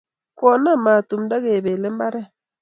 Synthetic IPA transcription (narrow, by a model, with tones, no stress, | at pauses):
kɔ˨na˦˨ma˨tu˨mda˦ɣe˨be˨le˦m˦ba˦ɾɛ˦˨